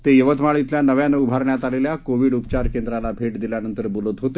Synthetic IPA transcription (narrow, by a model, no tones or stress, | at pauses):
t̪ejəʋət̪maɭit̪ljanəʋjaneubʱaɾɳjat̪aleljakoʋiɽupt͡ɕaɾkend̪ɾalabʱeʈd̪iljanənt̪əɾbulət̪ɦot̪e